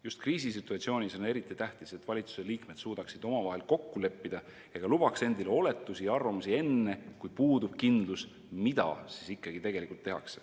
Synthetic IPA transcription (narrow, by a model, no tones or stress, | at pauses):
just̪kriːs̬is̬it̪ːˑuɑt̪ʲsio̞ːnʲiso̞ne̞ɾit̪ːˑit̪æht̪ise̞t̪ːˑvɑlʲit̪su̥se̞liːkme̞d̪̥suːd̪̥ɑksid̪̥o̞mɑvɑɦe̞lko̞kːule̞pːid̪̥ɑ | jɑɡ̥ɑlub̥ɑkse̞nd̪̥ileo̞le̞t̪ːˑusiɑrvɑmusie̞nːe̞kujpuːd̪ub̥kind̪̥lus | mid̪ɑ̰sisikːˑɑɡ̥it̪e̞ɡ̥e̞likult̪ːe̞ɦɑ̰kse̥